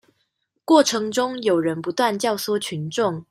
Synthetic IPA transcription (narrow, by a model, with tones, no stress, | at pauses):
kwɔ˥˩ʈ͡ʂʰɤ˧˥ŋʈ͡ʂʊ˥ŋjo˨˩ʊɻə˧˥npu˧˥t̪wa˥˧˨nt͡ɕjɑ˥˩ʊswɔ˥t͡ɕʰy˧˥nʈ͡ʂʊ˥˩ŋ